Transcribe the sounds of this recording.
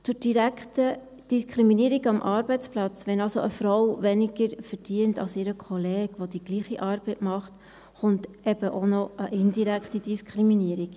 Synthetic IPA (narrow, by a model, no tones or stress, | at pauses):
t͡sʊd̥iɾækχtə | d̥iskʰɾiminiəɾiɡɑmʔɑɾbɛɪt͡splɑt͡sʋɛnɑlsoʔəfɾɔwvɛniɡəɾfəɾd̥iəntɑ̰lsɪɾəkʰɔleːɡʋod̪iɡ̥liːχiʔɑːɾb̥ɛɪtmɑχt | χʊnt | ɛbəʔonɔʔəʔɪndiɾækχtidiskʰχɾiminiəɾik